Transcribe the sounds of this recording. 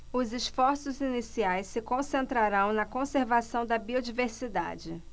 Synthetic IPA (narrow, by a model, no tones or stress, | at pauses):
ʊzɪsfɔɾsʊzinisiajsːɪkõsẽnt̪ɾaɾɐ̃w̃nɐkõseɾvasɐ̃w̃d̪ɐbiod͡ʒiveɾsid̪a̰d͡ʒɪ